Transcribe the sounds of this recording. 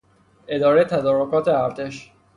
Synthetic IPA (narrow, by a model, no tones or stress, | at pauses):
ʔe̞d̪ɒːɾejet̪ʰæd̪ɒːɾokʰɒːt̪ʰeæɾt̪ʰe̞ʃ